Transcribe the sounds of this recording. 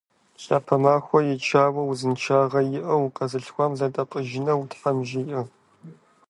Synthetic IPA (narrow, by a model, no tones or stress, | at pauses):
ɕʼaːpʰɐmaːxʷɔjɛt͡ʃʰaːwɐwuzɨnt͡ʃʰaːʁɐjɪʔɐwqʼɐzɨɬxʷɔmzɐtʼɐqʼəʒɪnɐwutħɐmʒɪʔɐ